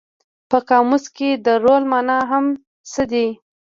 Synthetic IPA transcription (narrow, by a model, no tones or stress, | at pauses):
pəkɑmusked̪əɾolmɑnɑɦam | səd̪i